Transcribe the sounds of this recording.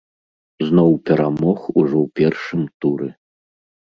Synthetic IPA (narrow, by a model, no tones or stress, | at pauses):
znɔwpʲɛɾamɔxuʐɔwpʲɛrʂɨmt̪uɾɛ